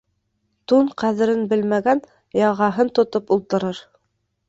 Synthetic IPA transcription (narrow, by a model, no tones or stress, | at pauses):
t̪uɴqæðɘ̆ɾɘnbɘlmæɡæn | jɑʁɑɦɤnt̪ŏt̪opulˠt̪ɤ̆ɾɤɾ